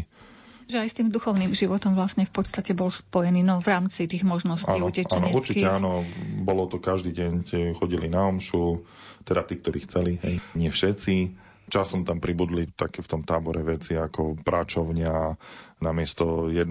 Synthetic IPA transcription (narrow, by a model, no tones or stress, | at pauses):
ʒɛajst̪iːmd̪uxɔʊniːmʒiʋɔt̪ɔmʋlasɲɛfpɔt̪st̪acɛbɔlspɔjɛniːnɔvɾaːmt͡sit̪iːɣmɔʒnɔscaiːucɛʔt͡ʃaːnɔɛuɾt͡ʃicɛanɔbɔlɔt̪ɔkaʒd̪iːɟɛɲcxɔɟilinaɔmʃu | t̪ɛd̪at̪iːkt̪ɔɾḭːxt͡sɛliɦɛjɲɪɛfʃɛt͡si | t͡ʃasɔmt̪ampɾibud̪lit̪akɛːft̪ɔmt̪aːbɔɾɛʋɛt͡siakɔpɾʔat͡ʃɔʊɲɪanamɪɛst̪ɔjɛd̪